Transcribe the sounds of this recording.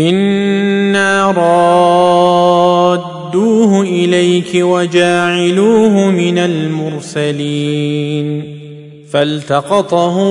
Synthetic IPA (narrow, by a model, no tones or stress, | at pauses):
ʔɪnː | aɾˤɑ | d̪uːhʊʔɪlajkɪwad͡ʒaːʕɪluːɦʊmɪnalmʊɾsaliːn | falt̪ɑqɑt̪ˤɑhʊ